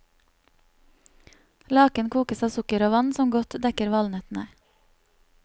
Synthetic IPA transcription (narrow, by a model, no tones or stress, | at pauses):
lɑːkənkʰuːkəsɑːsʊkəɾoːʋɑnsɔmɡɔt̪d̪ɛkəɾʋɑlnət̪neː